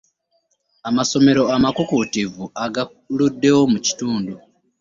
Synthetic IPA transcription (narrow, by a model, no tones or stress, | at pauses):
amaso̞me̞ɾo̞amakukutivuaɡa | ludːe̞wo̞muci̥tuːndu